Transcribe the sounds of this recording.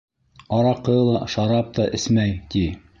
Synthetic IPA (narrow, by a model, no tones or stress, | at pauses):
ɑɾɑqːɤ̆jɤ̆lˠɑʃɑɾɑp̚t̪ɑʔɘ̆smæjt̪i